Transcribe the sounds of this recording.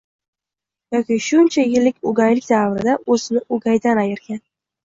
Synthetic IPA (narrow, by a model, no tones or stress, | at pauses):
jɒkʲiʃʊnt͡ʃʰajɪlːɪkʲʊɡʲajlɪkʲd̪avɾɪd̪aʔɵzɪnɪʔʊɡʲajd̪anajɪɾɡʲan